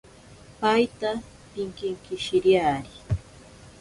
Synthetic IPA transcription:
pajt̪a | pɪŋkɪŋkɪʃɪɾjaːɾi

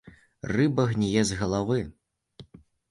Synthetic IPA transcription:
rɨbɐɣnʲijɛzɣɐlˠavɨ

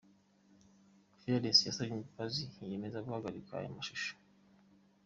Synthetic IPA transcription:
ufiɾaɾjasijasajimipazije̞me̞zakuhaɡaɾikʰaha̰jamaʃuʃo̥

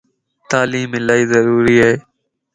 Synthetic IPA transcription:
t̪aːliːmeːlaːiːzəɾuːɾiːaːɦeː

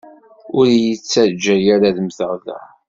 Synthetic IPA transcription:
ʊɾjət͡sːæɾd͡ʒːæjaɾaðmθəʁlæ̰

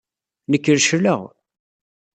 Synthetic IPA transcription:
nəkːəɾʃləʁ

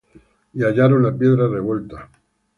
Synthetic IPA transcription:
iaʎaɾonlapje̞ðɾare̞βwe̞lt̪a

